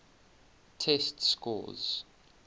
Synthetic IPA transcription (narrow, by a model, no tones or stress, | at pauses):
tʰɛstskʰɔ̰z̥